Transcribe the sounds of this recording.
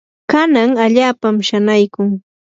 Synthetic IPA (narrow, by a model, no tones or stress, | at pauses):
kanaŋaʎaːpamʃanajkʊŋ